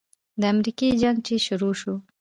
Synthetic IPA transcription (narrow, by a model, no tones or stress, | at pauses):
d̪əamɾiked͡ʒaŋɡ̚t͡ʃeʃʊɾoʃu